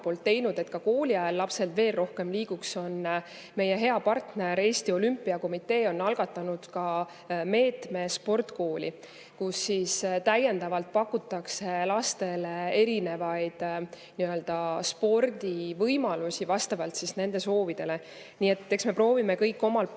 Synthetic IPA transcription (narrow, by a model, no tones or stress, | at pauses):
po̞ːlt̪ːe̞jnud̪̥e̞t̪kɑko̞ːliɑelːɑpse̞lt̪ve̞ːlro̞hke̞mliːɡ̥ukso̞n | me̞je̞ɦe̞ɑpɑrt̪neɾe̞ːsʲt̪io̞lympːˑiɑko̞mit̪ːˑe̞ːo̞nːɑlɡ̥ɑt̪ːˑɑnud̪̥kɑ | me̞ːt̪me̞spo̞rt̪ko̞ːlʲi | kusːist̪æje̞nd̪ɑvɑlt̪̚pɑkːut̪ːˑɑkselɑst̪e̞lee̞ɾine̞vɑjd̪̥ | niø̞ld̪̥ɑspo̞rd̪̥ivɤjmɑlusivɑst̪ɑvɑlt̪sisne̞nd̪̥e̞so̞ːvid̪̥e̞le̞ | niːe̞t̪ːˑe̞ksme̞pro̞ːvime̞kɤjkˑːo̞mɑl